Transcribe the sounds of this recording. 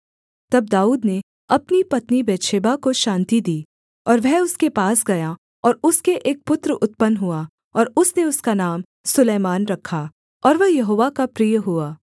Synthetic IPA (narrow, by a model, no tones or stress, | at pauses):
t̪ɐb̚d̪aːuːd̪ne | ɐpnipɐt̪nibɛːʃʰeːbakoʃãːnt̪id̪iː | ɔːɾʋɛɦʊskepaːsɡɐja | ɔːɾʊskeʔeːk̚pʊt̪ɾəʊt̪̚pənɦʊa | ɔːɾʊsneʊskanaːm | sʊleːmaːnɾɐkʰːa | ɔːɾʋɐɦjɐɦoːʋakapɾiːjɦʊaː